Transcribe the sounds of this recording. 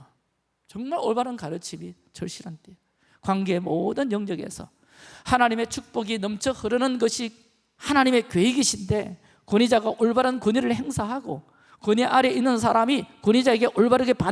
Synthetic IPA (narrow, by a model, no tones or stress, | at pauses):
t͡ɕʌŋmaɾoɭbaɾɯnkaɾɯt͡ɕʰimi | t͡ɕʌɭɕ͈iɾante | kwaŋɡe̞emodɯnjʌŋɲʌɡe̞̰sʰʌ̰ | hanaɲime̞t͡ɕʰuk̚p͈oɡinʌmt͡ɕʰʌhɯɾɯnɯnɡʌɕʰi | hanaɲime̞kɥeiɡiɕʰinde̞ | koɲid͡ʑaɡaʔoɭbaɾɯnkuɲiɾɯɭhe̞ŋsʰaɦaɡo̰ | koɲiʔaɾeʔinːɯns̬ʰaɾamikoɲid͡ʑae̞ɡe̞ʔoɭbaɾɯɡe̞pa